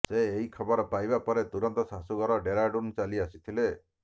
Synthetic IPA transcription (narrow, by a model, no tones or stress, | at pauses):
seːɦikʰɔbɔɾɔpajbapɔɾet̪uɾɔnt̪ɔsasuɡɔɾɔɖeɾaɖunt͡ʃaliasit̪ʰile